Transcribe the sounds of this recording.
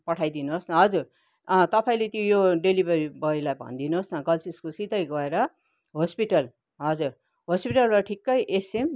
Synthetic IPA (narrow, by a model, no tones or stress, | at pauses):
pʌʈʰajd̪inuɦosnʌɦʌd͡zur | t̪ʌpaĩlet̪jõjoɖelibʌɾibʌilajbʱʌ̰nd̪inuɦosnʌɡʌlsiskosit̪ʌjɡʌeɾʌ | ɦospiʈʌl | ɦʌd͡zuɾ | ɦospiʈʌlrʌʈʰikːʌjʔesem